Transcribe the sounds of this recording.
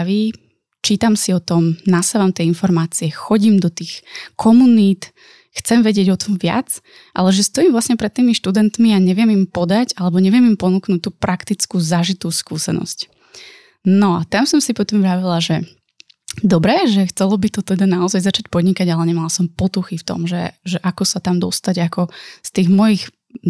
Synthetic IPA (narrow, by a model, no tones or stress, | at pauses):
ʋi | t͡ʃiːt̪amsiɔt̪ɔmnasaʋamt̪jɛinfɔɾmaːt͡siɛxɔɟimd̪ɔt̪iːxkʰɔmuniːt̪ | xt͡sɛmʋɛɟɪɛɟɔt̪ɔmʋɪa̰t͡s | ʔa̰lɛʒɛst̪ɔjiːmvlasɲɛpɾɛt̪ːiːmiʃt̪ud̪ɛnt̪miaɲɛʋɪɛmimpɔd̪aɟalɛbɔɲɛʋɪɛmimpɔnuːknuːt̚t̪ːuːpɾakt̪it͡skuːzaʒit̪uːskuːsɛ̰nɔ̰sc | nɔat̪amsɔmsipɔt̪ɔmʋɾaʋilaʒɛ | d̪ɔbɾɛʒɛxt͡sɛlɔbit̪ɔt̪ɛd̪anaɔzajzat͡ʃac̚pɔd̪ɲikaɟalɛɲɛmalasɔmpɔt̪uxift̪ɔ̰mʒɛʒɛʔakɔsat̪amd̪ɔst̪aɟakɔst̪iːɣmɔjix